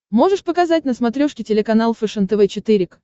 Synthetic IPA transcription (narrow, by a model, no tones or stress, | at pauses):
mo̞ʐɨʂpəkɐzat̚ʲnəsmɐt̪ɾʲoʂkʲɪtʲɪlʲɪkɐnalˠfɨʂɨnt̪əvɛt͡ɕɪt̪ɨɾʲɪk